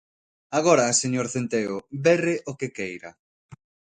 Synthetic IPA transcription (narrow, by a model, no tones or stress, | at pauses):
aɣoɾɐseɲoɾθent̪eʊberɪʔokekejɾa̰